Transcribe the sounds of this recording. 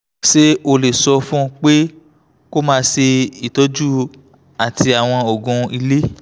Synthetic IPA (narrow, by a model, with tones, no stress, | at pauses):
ʃe˦o˧le˨sɔ˧fũ˦˧k͡pe˦ | ko˦mãː˦˧ʃe˧i˨tɔ˨˦d͡ʒu˦ | a˨ti˧a˨w̃ɔ̃˧o˨ɡũ˧i˧le˦